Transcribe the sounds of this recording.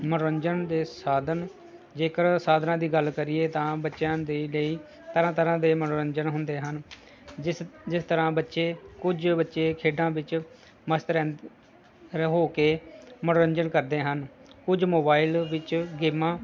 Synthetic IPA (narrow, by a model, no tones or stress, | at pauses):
məɽoːɾəɲd͡ʒənd̪eːsaːd̪ən | d͡ʒeːkəɾsaːd̪nãːd̪iːɡəlkəɾɪːeːt̪ãːbətːʃjãːd̪eːləiː | t̪əɾãːt̪əɾãːd̪eːməɽoːɾəɲd͡ʒənɦʊnd̪eːɦən | d͡ʒɪst̪əɾãːbətːʃeːkʊd͡ʒbətːʃeːkʰeːɖãːʋɪt͡ʃ | məst̪ɾɛ̃ː | ɾɦoːkeːməɽoːɾəɲd͡ʒənkəɾd̪eːɦənkʊd͡ʒmoːbaːɪlʋɪt͡ʃɡeːmãː